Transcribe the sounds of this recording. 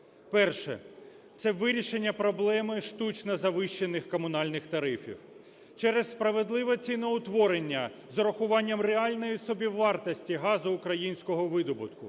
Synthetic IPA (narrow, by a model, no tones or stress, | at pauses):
pɛrʃɛ̰ | t̪sɛʋɪɾʲiʃe̞nʲːɐpɾɔblˠɛmɪʃt̪ut͡ʃnɐzɐʋɪʃt͡ʃːe̞nɪxkɔmʊnɑlʲnɪxt̪ɐɾɪfʲḭw | t͡ʃɛɾesspɾɐʋe̞d̪lˠɪʋɛt͡sʲijnɔʊt̪ʋɔɾenʲːɐ | zɔɾɐxʊʋɑnʲːɐmreɑlʲnɔjisɔbʲiʋːɑrt̪ɐsʲtʲiɦɑzʊːkɾɐjinʲsʲkɔɦɔʋɪd̪ɔbʊt̪kʊ